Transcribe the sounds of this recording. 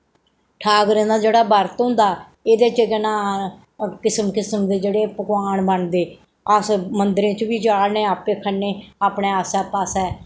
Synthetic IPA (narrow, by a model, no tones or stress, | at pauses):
ʈʰaːkɾẽːnd̪aːd͡ʒeːɽaːbəɾt̪ɦʊ̃nd̪aː | eːd̪eːt͡ʃɡnãː | kɪsəmkɪsəmd̪eːd͡ʒeːɽeːpəkwaːɳbəɳd̪eː | əsmənd̪ɾẽːt͡ʃbiːd͡ʒaːlneːaːpeːkʰənːeːaːpɳeːəːsɛːpaːsɛː